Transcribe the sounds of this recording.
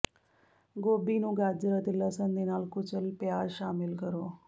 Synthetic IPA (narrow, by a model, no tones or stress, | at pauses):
ɡoːbiːnũːɡaːd͡ʒɾaːt̪eːləsənd̪eːnaːlkʊt͡ʃəlpjaːzʃaːmɪlkəɾoː